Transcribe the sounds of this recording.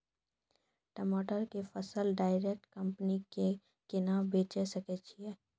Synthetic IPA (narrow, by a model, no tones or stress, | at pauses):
ʈəmoːʈəɾkefəsəlɖaːɪɾeːk̚ʈkə̃mpənike | kenabeːt͡ʃesɐket͡ʃʰiɛː